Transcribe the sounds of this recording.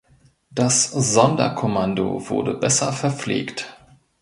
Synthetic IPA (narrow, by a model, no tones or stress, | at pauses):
d̥asz̥ɔndɐ̰kʰomando̰vʊ̰ɐdəbɛsɐfɛɐp͡flḛːkt